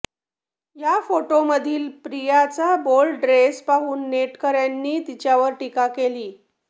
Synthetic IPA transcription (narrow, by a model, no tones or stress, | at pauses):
jafoʈoməd̪ʱiːlpɾijat͡sabolɖɾespaɦuːnːeʈkəɾjanːiːt̪it͡ɕjaʋəɾʈikakeliː